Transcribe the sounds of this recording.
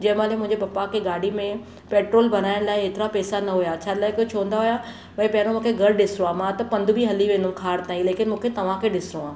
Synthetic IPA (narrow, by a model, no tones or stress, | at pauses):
d͡ʑɐɦɪ̃maːlemʊ̃ɦɪ̃ɲd͡ʑebɐpakʰeːɡaːɽ̤ʱimẽ | peːʈɾoːlbʱɐn̤aːɪɽ̃laːɪɦet̪ɪɾapɛːsanɐɦujat͡ɕʰaːlaːɪkoːt͡ɕʰoːə̃nd̪aɦʊja | mɐ̃ːpɐ̃ɦɪɾ̃õmũːkʰeɡʱɐɽɗɪsɪɾõaːmãt̪ɐpɐ̃nd̪ʱʊbʱiɦɐliʋẽːnd̪umkʰaːɾt̪aːĩleːkɪnmũːkʰet̪ɐʋ̤ãkʰeɗɪsɾoaː